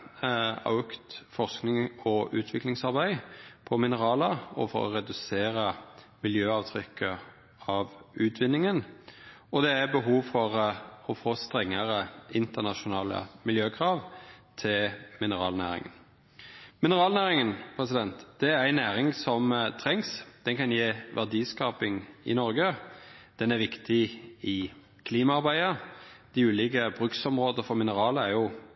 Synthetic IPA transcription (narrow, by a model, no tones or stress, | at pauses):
ɑ̰ʉkt̪fɔʁsknɪŋɔʔʉːt̪ʰʋɪklɪŋsɑʁbæɪpʰɔmɪnəʁɑːləɔ̰fɔ̰ɾɔ̰ʁɛd̪ʉseːɾə | mɪljøːɑːʋt̪ʰɾʏkʰːə | ɑʋʉːt̪ʰʋɪnːɪŋən | ɔd̪ɛæbəɦuːʋfɔʁɔfoːst̪ʁɛŋːəʁəɪnt̪əʁnɑʃʊnɑːlə̰mɪljøːkʰʁɑːʋt̪ʰɪlmɪnəɾɑ̰ːlnæ̰ːɾɪ̰ŋə̰n | mɪnəɾɑːlnæːɾɪŋənpʰʁɛsɪd̪ɛnt̪d̪̥ɛæɾæɪnæːɾɪŋsɔmt̪ʰɾɛŋsd̪̥ɛnkɑnjeːʋʔæʁd̪iːskɑːpɪŋɪ̰nɔɾɡəd̪̥ɛnæɾʋɪkt̪ɪɪ | kʰliːmɑɑɾbæɪəd̪̥ɪʉːlɪɡəbɾʉksɔmʁoːd̪əfɔɾmɪnəɾɑːləæɾjʊ